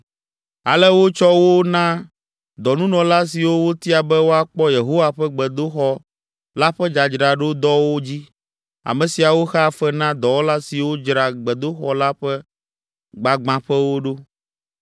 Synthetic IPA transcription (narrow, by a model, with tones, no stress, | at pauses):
a̰˨lɛ˦wo˦t͡ʃɔ˦wo˦nã˦ | d̪ɔ˨nũ˦nɔ̃˨la˦s̬i˨wo˦wo˦t̪i˦a˨bɛ˦wo˦a˨k͡pɔ˦je˨ɦo˦wa˨ɸɛ˦ɡ͡bɛ˨d̪o˦xɔ˦ | la˦ɸɛ˦d͡ʒa˨d͡ʒɾa˨ɖo˦d̪ɔ˦wo˦d͡ʑi˦ | a̰˨mɛ̃˨si˨a˨wo˦xɛ˦˨fɛ˦nã˦d̪ɔ˨wo˦la˦si˨wo˦d͡ʒɾa˨ɡ͡bɛ˨d̪o˦xɔ˨la˦ɸɛ˦ | ɡ͡ba˨ɡ͡bã˨ɸɛ˦wo˦ɖo˦